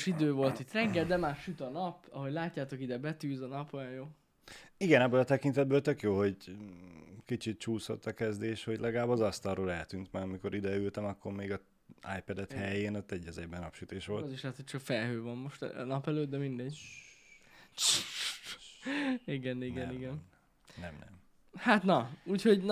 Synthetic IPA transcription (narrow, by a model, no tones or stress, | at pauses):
ʃid̪øːvo̞lt̪it̪rɛŋɡɛld̪ɛmaːʃyt̪ɒnɒpɒɦo̞ɟʲlaːcːaːt̪o̞kid̪ɛbɛt̪yːzɒnɒpojɒnjoː | iɡɛnɛbːøːlɒt̪ɛkint̪ɛd̪bøːlt̪økjoːɦo̞ɟ | kit͡ʃit̪̚t͡ʃuːso̞̰t̪ːɒkɛzd̪eːʃho̞ɟlʔɛɡɒlaːbɒzɒst̪ɒlroːlɛlt̪yːnt̪mɛɾɒmiko̞ɾʔid̪ɛylt̪ɛmɒkːo̞ɾmeːɡɒ | a̰jpɛd̪ɛt̪hɛjeːnot̪ːɛɟːɛzɛɟbɛnɒpʃyt̪eːʃʋo̞ltziʃlɛt̪hoc̚t͡ʃɒkfɛlɦøːvɒnmoʃt̪nɒpɛløːt̪d̪ɛmind̪ɛɟ | iɡɛniɡɛniɡɛn | nɛmnɛ̰m | hat̪nɒuːchon